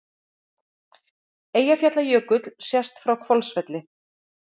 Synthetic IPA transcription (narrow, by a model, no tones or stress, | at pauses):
eːjafjat̪lajœːkʏt̪lsjɛst̪fɾawkʰvɔlsvɛt̪lɪ